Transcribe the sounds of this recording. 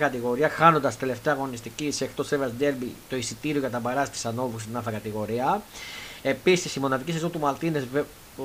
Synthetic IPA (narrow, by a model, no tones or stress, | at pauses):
kɐt̪iɣo̞ɾiɐxɐno̞nd̪ɐst̪ele̞ft̪eɐɣo̞nist̪icisekt̪o̞sevɐsd̪elbit̪o̞isit̪iɾio̞ʝɐt̪ɐbɐɾɐsɐt̪i̥sɐno̞vusnɐfɐkɐt̪iɣo̞ɾiɐ | e̞pisisimo̞nɐðicisezont̪umɐlt̪inez